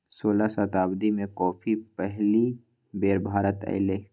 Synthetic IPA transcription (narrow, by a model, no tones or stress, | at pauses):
soːlasət̪aːbd̪imẽkɔːpʰipɛɦli | beːɾbʱaːɾət̪ɛ̰ɪleː